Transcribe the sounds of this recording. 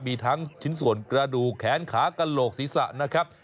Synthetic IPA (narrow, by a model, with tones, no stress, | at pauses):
miː˧t̪ʰaː˦˥ŋt͡ɕʰi˦˥nsu˨˩ənkɾa˧duː˨˩kʰːɛː˩˦nkʰaː˩˦˥ka˧nloː˨˩k̚siː˩˦sa̰˨˩ʔna˦˥kʰɾa˦˥p̚